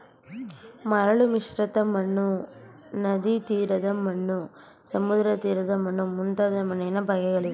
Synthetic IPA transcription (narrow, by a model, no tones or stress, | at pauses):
mɐɾɐɭumiʂɾɐt̪ɐmɐɳːu | nɐd̪it̪iːɾɐd̪ɐmɐɳːu | sɐmud̪ɾɐt̪iːɾɐd̪ɐmɐnːumunt̪ɐd̪ɐmɐnːɛnɐbʱɐɡɛɡɐɭi